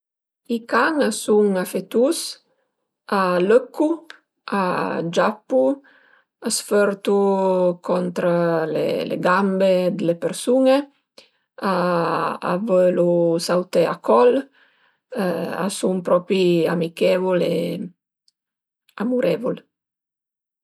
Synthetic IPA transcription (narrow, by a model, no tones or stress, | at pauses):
ikaŋasuŋafet̪us | aløkːu | ad͡ʒapːu | asføɾt̪ukʰɔnt̪ɾalḛlḛɡambed̪elepeɾsuŋe | a | a̰vəlusawt̪ea̰kɔl | a̰suŋpɾɔpiamikɛvole | amuɾɛvol